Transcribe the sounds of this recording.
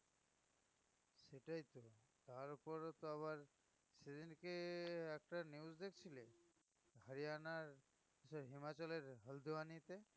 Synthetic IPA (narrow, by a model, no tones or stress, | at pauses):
seʈajt̪ɔ | t̪aɹupɔɹɔt̪ɔaβaɹ | sed̪inkeɛk̚ʈaniuzd̪ekʰt͡ʃʰile | ɡʱaɹianaɹ | kisɔɹɦimat͡ʃaleɹɦəld̪ʱuanit̪e